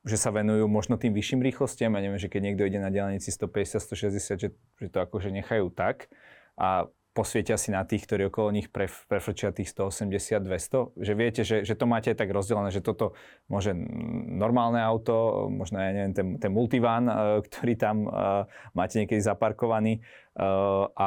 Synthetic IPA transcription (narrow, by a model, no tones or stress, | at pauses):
ʒɛsaʋɛnujuːmɔʒnɔt̪iːmʋiʃiːmɾiːxlɔscɪamjaɲɛʋɛmʒɛkɛɟɲɪɛɡd̪ɔiɟɛnaɟɛlaɲiːt͡sist̪ɔpɛɟɛsɪat̪st̪ɔʃɛzɟɛsɪad̪ʒɛ | ʒ̥ɛt̪ɔakɔʒɛɲɛxajuːt̪ak | ʔa | pɔsʋɪɛcasinat̪iːxkt̪ɔɾiːɔkɔlɔɲixpɾɛpɾɛfl̩t͡ʃɪat̪iːxst̪ɔɔsɛmɟɛsɪad̪̚ːʋɛst̪ɔʒɛʋɪɛcɛʒɛʒɛt̪ɔmaːcɛaɪt̪aɡɾɔzɟɛlɛnɛːʒɛt̪ɔt̪ɔ | mʊɔʒɛnɔɾmaːlnɛaʊt̪ɔmɔʒnɔjaɲɛʋɪɛmt̪ɛnt̪ɛnmult̪iʋaːnkt̪ʰɔ̥ɾiːt̪amː | aːcɛɲɛkɛd̪izapaɾkɔʋaniː | ʔa